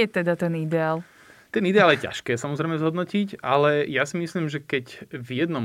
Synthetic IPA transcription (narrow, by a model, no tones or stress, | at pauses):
ɛt̪ɛd̪at̪ɛnid̪ɛaːl | t̪ɛnid̪ɛaːljɛca̰ʃkɛːsamɔzɾɛjmɛzɦɔd̪nɔcicʔalɛjasimisliːmʒɛkɛcvjɛd̪nɔm